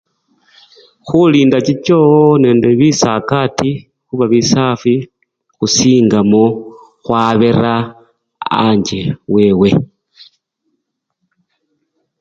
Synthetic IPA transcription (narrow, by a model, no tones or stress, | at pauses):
xuliːndat͡ʃit͡ʃone̞ːndeβisakati | xuβaβisafi | xusiːŋɡamo | xwaβeɾa | a̰ɲd͡ʒewewe̞